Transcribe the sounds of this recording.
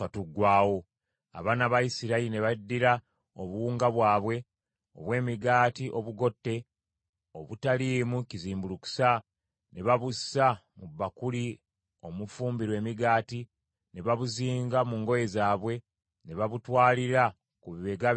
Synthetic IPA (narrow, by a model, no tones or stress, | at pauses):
atuɡwaːwo | a̰βaːnaβaisiɾaiine̞βadːiɾa | oβuwuːŋɡaβwaːβwe̞ | o̞̰βwe̞ːmiɡaːtiʔo̞βuɡo̞tːe̞ | oβutaliːmuciziːmbuluku̥sa | ne̞βaβusamuβːakuli | o̞mufuːmbiɾwe̞ːmiɡaːti | ne̞βaβuziːŋɡamuŋɡo̞je̞zaːβwe̞ | ne̞βaβutwaːliɾa | kuβiβe̞ɡa